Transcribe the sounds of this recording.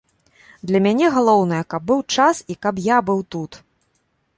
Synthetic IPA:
d̪lʲɐmʲanʲɛɣalˠɔwnɐjɐkɐb̚ːɨwt͡ʂasikapjabɨwt̪ut̪

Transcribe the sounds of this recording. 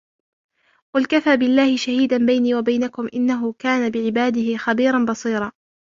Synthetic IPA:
qʊlkafaːbɪlːaːhɪʃahiːd̪anbajniːwabajnakʊmʔɪnːaɦʊkaːnabɪʕɪbaːd̪ɪhɪxabiːɾˤɑnbɑsˤiːɾˤɑː

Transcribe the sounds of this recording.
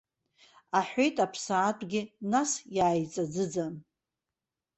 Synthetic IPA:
aħᶣʷe̞jtʼapʰsaːtʷʼɡʲɪnasjaːjt͡sʼad͡zɨd͡zan

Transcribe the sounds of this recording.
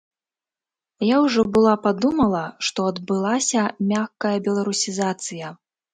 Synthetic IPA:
jawʐɔbɨlˠapad̪umɐlˠɐʂt̪ɔɐd̪bɨlˠasʲɐmʲaxkɐjɐbʲɛlˠaɾusʲizat̪sɨjɐ

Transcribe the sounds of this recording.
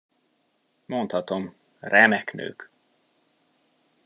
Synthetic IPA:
mo̞nt̪hɒt̪o̞m | rɛmɛknø̰ːk

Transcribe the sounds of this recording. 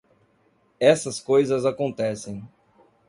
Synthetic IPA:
ɛsɐskojzɐzakõnt̪ɛsẽj̃

